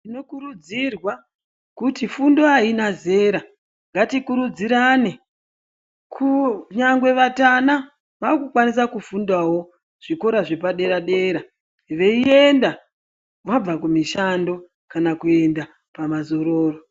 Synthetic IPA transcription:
ino̞kuɾud͡zirwa | kutifundo̞ainaze̞ɾa | ŋɡatikuɾud͡ziɾane | kʰuɲaŋɡwe̞ʋatana | ʋakukwanis̬akufundawo̞ | ʐ̥iko̞ɾaʐe̞paɗe̞ɾaɗe̞ːɾa | ʋe̞ie̞nda | ʋab͡vakumiʃando̞ | kanakue̞nda | pamazo̞ɾoːro

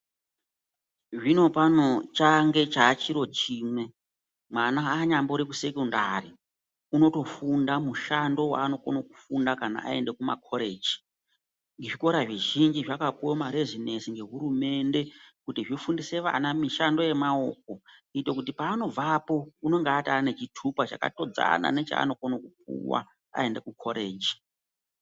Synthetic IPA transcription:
ʐino̞panot͡ʃaŋɡe̞t͡ʃaːt͡ʃiɾo̞t͡ʃiːmwe̞ | mwanaːɲamboɾekuse̞kunda̰ri | uno̞to̞fundamuʃando̞wa̰ːno̞konoku̥fundakana̰ʔa̰e̞nde̞kuma̰kʰoɾeːd͡ʒi̥ | ŋɡeʐiko̞ɾaʐiʒind͡ʒiʐakapuwomaɾezinesiŋɡe̞ɦuɾume̞nde̞kutiʐifundise̞ʋa̰namiʃando̞je̞mao̰k̚o̞ite̞kut̬ipaːno̞b͡vapo̞uno̞ŋɡeːtaːne̞t͡ʃitʰupat͡ʃa̰ka̰to̞d͡za̰na̰ne̞t͡ʃa̰a̰no̞konokup̚ṵwa̰ | a̰e̞nde̞kukʰo̞ɾeːd͡ʒi̥

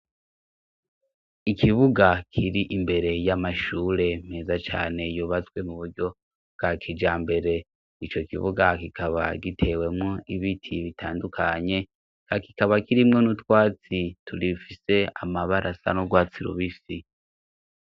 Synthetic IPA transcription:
ikʰiβuɡakʰiɾiʔimbe̞ɾe̞jamaʃuːɾe̞me̞ːzat͡ʃa̰ːne̞juːβat͡swe̞muβuɾɟo̞ | bɡ̥akʰid͡ʒaːmbe̞ɾe̞ | it͡ʃo̞kḭβṵɡakikʰaβa̰ɡitʰe̞we̞mŋoiβitʰiβitaːndukʰaɲe̞ | kaki̥kaβakiɾimŋonutwaːt͡sitʰulifise̞amaβaɾʔasa̰noɡwaːt͡siɾṵβisi

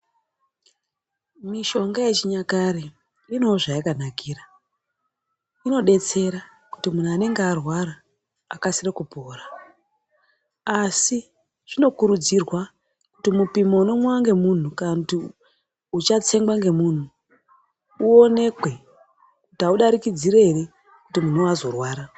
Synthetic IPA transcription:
miʃo̞ŋɡajet͡ʃiɲakaɾi | rino̞ʐaikan̤akiːɾa | ino̞ɗe̞t͡se̞ɾa | ku̥timun̤uane̞ŋɡearwaɾaː | kasirekupoːra | asi | ʐ̥ino̞kuɾud͡zirwa | kutimupimouno̞mwawaŋɡe̞mun̤ukanakuti | ut͡ʃat͡se̞ŋɡaŋɡe̞muːn̤u | uo̞ne̞kwe̞ | kutiauɗaɾikid͡ziɾeɦere | kutimun̤uazo̞rwaːɾa

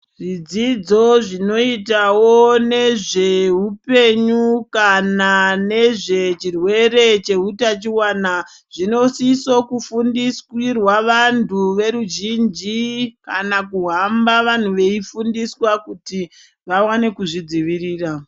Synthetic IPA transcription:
ʐid͡zid͡zo̞ʐino̞itawone̞ʐe̞ɦupe̞ɲukanane̞ʐe̞t͡ʃirwe̞ɾe̞t͡ʃe̞ɦutat͡ʃiwana | ʐ̥ino̞siso̞kufundiskwirwaʋantuʋe̞ɾuʒind͡ʒikanakuɦambaʋan̤uʋe̞ifundiswakuti | ʋawane̞kuʐid͡ziʋiriːra

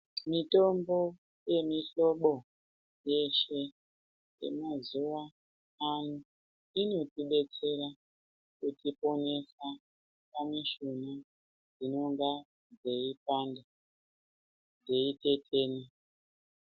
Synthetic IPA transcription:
mito̞mbo̞ | je̞miɬo̞ɓo̞ | jeʃe̞ | je̞̰mazuwa | anu | ino̞tiɓe̞t͡se̞ɾa | kutipo̞ne̞sa | paneʃuna | d͡zino̞ŋɡa | d͡ze̞ipanda | d͡ze̞ite̞tʰeːni

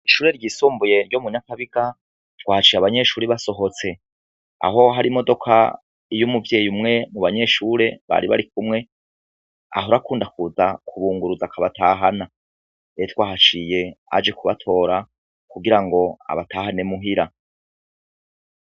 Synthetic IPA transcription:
iʃuːɾe̞ɾɟiːsuːmbuje̞ɾɟo̞muɲakaβiɡa | twaːhat͡ʃiːjaβaɲe̞ʃuːɾiβaso̞ɦo̞t͡se̞ | a̰ɦo̞ɦaɾimo̞do̞kʰa̰ | ijumuvje̞ːjumŋe̞muβaɲe̞ʃuːɾe̞βa̰ɾiβa̰ɾikumŋe̞ | a̰ɦoɾakuːndakuzakʰuβuːŋɡuɾuzakʰaβataːɦana | eetwaːhat͡ʃije̞a̰d͡ʒe̞kuβa̰tʰo̞ːɾa | kuɡiɾaŋɡo̞a̰βataːhane̞muɦiɾa

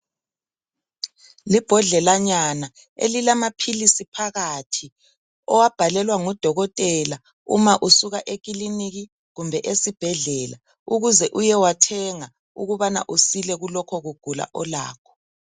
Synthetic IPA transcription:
lib̥ʱɔɮɛlaɲana | ḛlilamapʰilisipʰaɣatʰi | ɔwab̥ʱalɛlwaŋɔd̥ʱɔɣɔtʼɛla | ṵmaʔusuɣaʔek̬ʼiliniɣi | ɣumbʱɛʔesib̥ʱɛɮɛːla̰ | uɣuzɛʔujɛwatʰɛŋa | uɣuβana̰ʔusilɛɣulɔkʰɔɣuɡ̥ʱula̰ʔɔla̰ːkʰɔ̥

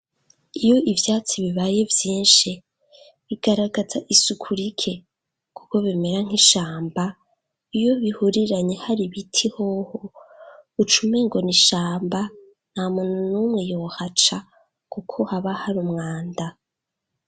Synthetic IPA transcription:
ijo̞ivjaːt͡siβiβaːje̞vjiːnʃi | βiɡ̥aɾaɡazaʔisukʰuɾikʰe̞ | kuko̞βeme̞ɾaŋ̥iʃaːmba | ijo̞βihuɾiɾaɲe̞haɾiβitʰihoho | ut͡ʃume̞ŋɡo̞niʃaːmba | n̥amununuːmŋe̞jo̞hat͡ʃa | kukʰo̞haβahaɾumŋaːnda

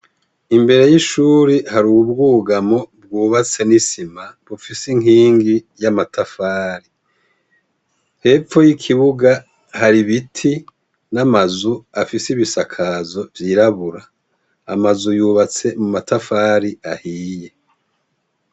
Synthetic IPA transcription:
imbe̞ɾe̞jiʃuːɾihaɾuːubɡuːɡamo̞b̚ɡuːβat͡se̞nisimaβufisiŋiːŋɡi | jamatʰafaːɾi | he̞p͡fo̞jikʰiβuɡa | haɾiβitʰi | namazuafisiβisakʰazo̞vjiːɾaβuɾa̰ː | mazujuːβat͡se̞mumatafaːɾiahiːje̞

